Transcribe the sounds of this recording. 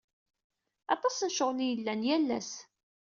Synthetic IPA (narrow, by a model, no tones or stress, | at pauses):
ɑt̪ˤɑsænʃoʁlijəlːænjælːæ̰s